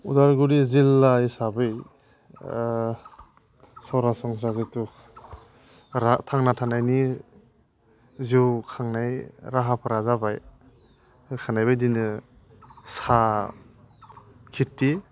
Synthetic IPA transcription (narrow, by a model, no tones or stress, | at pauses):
udaɾɡuɾizilːaisabɯj | sɔɾasɔŋsɾazetuk̚ | ɾatʰaŋnatʰanajni | ziwkʰaŋnajɾaɦapʰɯɾazabaj | kʰanajbajdinɯ | sa | kʰitːi